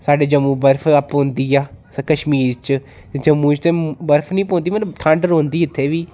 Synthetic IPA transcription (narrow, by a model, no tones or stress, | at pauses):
saːɖeːd͡ʒəmːũːbəɾpʰəpːõːnd̪iːaː | kəʃmiːɾt͡ʃ | t̪ed͡ʒəmːũːt͡ʃt̪ẽːbəɾpʰnĩːpõːnd̪iːmət̪ləbt̪ʰə̃ɳɖɾõːnd̪iːɪt̪ʰːeːʋiː